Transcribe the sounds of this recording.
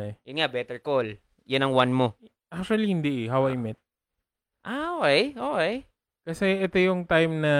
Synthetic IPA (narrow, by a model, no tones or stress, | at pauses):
jʊnŋabɛt̪ɛɹkol | jʊnɐŋwanmo | ʔak̚t͡ʃʊɐlihɪnd̪ɛʔɪhawajmɪt̪̚ | ʔaokɛjʔoːʔɛj | kɐsɛʔɛt̪ojʊŋt̪ajmnɐ